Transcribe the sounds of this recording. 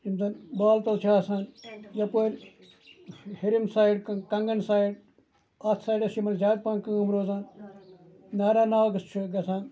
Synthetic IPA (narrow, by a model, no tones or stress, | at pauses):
imt̪ɐnbaːlt̪ɐlt͡ʃʰasaːnjɐpoɾʲ | hiɾimsaːiɖkkɐŋɡɐnsaːiɖ | ɐt̪ʰsaːjɖɐsimɐnzaːd̪̚pãnkɨumɾoːzaːn | naːɾaːnaːwɡɐst͡ʃʰuɡɐsãːn